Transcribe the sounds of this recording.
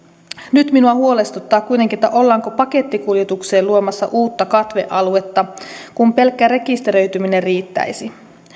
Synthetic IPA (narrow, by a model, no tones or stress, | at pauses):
nyt̪minuɑhuo̞le̞st̪ut̪ːɑːkkujt̪eŋkiet̪ːæʔo̞lːɑːŋko̞pɑke̞t̪ːikuljet̪ukse̞ːluo̞mɑsːɑ̰ʔuːt̪ːɑkɑt̪ʋe̞̰ʔɑlue̞t̪ːɑkumpe̞lkːæɾe̞kist̪eɾø̞jt̪ymine̞rriːt̪ːæ̰jsi